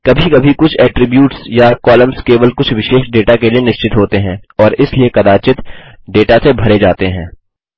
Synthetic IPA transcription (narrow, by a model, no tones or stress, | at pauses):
kɐbʱikɐbʱikʊt͡ʃʰɛːʈɾɪbjuːʈsjakɔːləmskeːʋəlkʊt͡ʃʰʋɪʃeːʃɖeːʈakelienɪʃt͡ʃɪt̪ɦoːt̪eɦɛ̃ːɔːɾɪsliekɐd̪aːt͡ʃɪt̪ | ɖeːʈasebʱɐɾed͡ʒaːt̪eɦɛ̰̃ː